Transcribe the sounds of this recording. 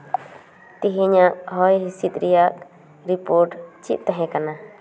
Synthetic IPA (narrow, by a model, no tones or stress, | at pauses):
t̪iɦiɲaʔɦɔjɦisit̪̚ˀɾijaʔ | ɾipoɾʈt͡ʃit̪̚t̪ɛɦɛ̃kana